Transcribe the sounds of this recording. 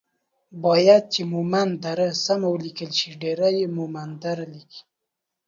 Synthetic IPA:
bɑjad̪̚t͡ʃemumand̪aɾasamawəlikəlʃiɖeɾajemumand̪aɾaliki̥

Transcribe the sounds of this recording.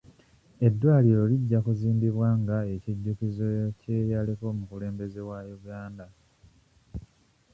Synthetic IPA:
e̞dːwaːliɾo̞liɟːakuziːmbiβwaŋɡae̞ciɟːukizoceːjaliko̞ːmukule̞ːmbe̞ze̞wajuɡaːnda

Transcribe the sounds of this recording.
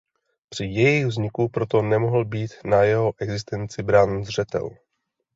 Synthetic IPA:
pr̝̥ɪjɛjiɣvzɲɪkupɾo̞t̪o̞nɛmoɦl̩biːt̪najɛɦo̞ʔɛɡzɪst̪ɛnt͡sɪbɾaːnzr̝ɛt̪ɛ̰l

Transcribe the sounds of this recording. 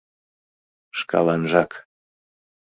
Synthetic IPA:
ʃkɑ̰lˠɑnʒɑk

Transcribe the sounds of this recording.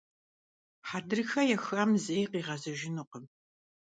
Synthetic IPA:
ħaːdɨrɨxɐjɛxɐːmzejqiːʁɐzɐʒɪnuːqəm

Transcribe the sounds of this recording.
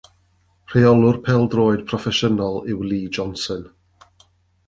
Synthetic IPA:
r̥eɔlˠʊrpʰɛlˠdroːɨd̥pʰrɔfɛʃənɔlˠɪwlˠiːd͡ʒɔnsən

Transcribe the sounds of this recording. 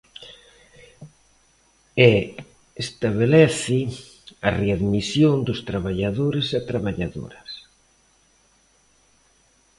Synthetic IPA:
e | est̪aβ̞elɛθɪ | areaðmisjond̪ʊst̪ɾaβaʎaðoɾɪset̪ɾaβaʎaðo̰ɾɐs

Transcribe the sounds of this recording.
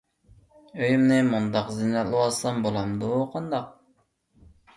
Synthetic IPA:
øjymnɪmund̪ɑqzɪnɛlˠɨwɑsɑmbolˠɑmd̪uqʰɑnd̪ɑq̚

